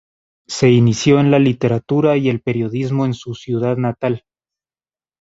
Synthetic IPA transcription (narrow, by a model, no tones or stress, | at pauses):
se̞inisjo̞e̞nlalit̪e̞ɾat̪uɾaie̞lpe̞ɾjo̞ðizmo̞e̞nsusjuðaðnat̪al